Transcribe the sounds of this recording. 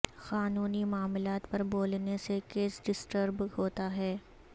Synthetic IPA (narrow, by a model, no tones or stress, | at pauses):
xaːnuːnimaːmɪlaːt̪pɐɾboːlnesekeːsɖɪsʈəɾbhoːt̪aɦɛː